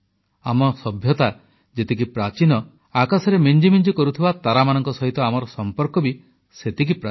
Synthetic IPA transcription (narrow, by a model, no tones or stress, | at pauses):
amɔsɔbʱjɔt̪a | d͡ʒet̪ikipɾat͡ʃinɔ | akasɔɾemend͡ʒimind͡ʒikɔɾut̪ʰibat̪aɾamanɔŋkɔsɔɦit̪ɔamɔɾɔsɔmpɔɾkɔbi | set̪ik̬ipɾa